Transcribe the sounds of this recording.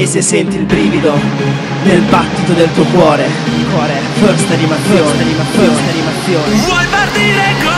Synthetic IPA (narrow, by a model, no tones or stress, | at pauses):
esːesːɛnt̪ilpɾiːvid̪o | nelbat̪ːit̪od̪elt̪uokwɔːɾe | kwɔːɾe | føɾst̪animat̪sːjoːnanimat̪sjoːsanimat̪sːjoːnevwɔjpart̪iɾe